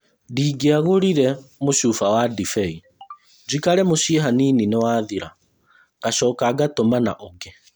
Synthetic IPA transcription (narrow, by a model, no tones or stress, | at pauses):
diːɡeaɣoɾiɾɛmoʃuːfawadifɛi | d͡ʒikaɾɛmoɕieɦaniːninewaːðiɾa | kaʃɔːkaɡatomana̰ʔɔɡɛ